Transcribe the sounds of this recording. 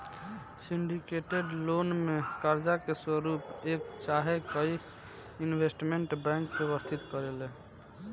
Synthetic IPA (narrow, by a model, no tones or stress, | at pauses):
siɳɖikeʈeɖlonmekaɾd͡ʒakeswəɾupekt͡ʃaɦekəj | inbʱesʈmeɳʈbɾɛ̃ŋkbeʋəst̪ʰit̪kəɾele